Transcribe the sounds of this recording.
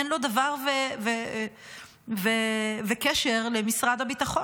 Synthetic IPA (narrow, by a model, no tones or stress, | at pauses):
enlo̞davaʁveve | vevekɛʃe̞ʁlemisʁadhabitaχo